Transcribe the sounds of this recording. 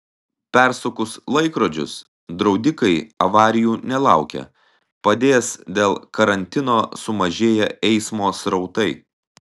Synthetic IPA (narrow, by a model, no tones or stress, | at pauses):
pʲɛɾsʊkʊslˠɐɪkɾoːd͡ʒʲʊ̰s | d̪ɾɒʊd̪ʲɪkɐɪɐʋɑːɾʲɪjuːnʲɛlˠɑˑʊkʲɛ̰ | pɐd̪ʲeːsd̪ʲeːlˠkɐɾɐnʲt̪ʲɪnoːsʊmɐʒʲeːjɛɛɪsmoːsɾɒʊt̪ɐɪ